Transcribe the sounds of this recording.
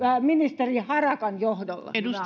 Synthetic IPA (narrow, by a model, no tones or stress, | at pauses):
æminist̪erihɑrɑkɑnjohdolːɑ̰u